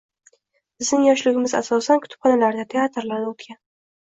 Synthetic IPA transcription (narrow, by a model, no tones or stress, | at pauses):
b̥ɪzd̪ɪŋjɒʃlʊɡʲɪmɪza̰sɒsankʰʊ̥t̪ʊ̥p̚χɑnalaɾd̪at̪ʰeat̪ɾlaɾd̪aʊt̪kʲan